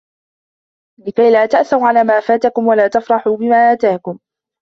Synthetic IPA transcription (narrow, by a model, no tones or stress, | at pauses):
lɪkajlaːt̪aʔθʊɾʕalaːmaːfaːt̪akʊmwalaːt̪afɾˤɑħuːbɪmaːʔaːt̪aːkʊm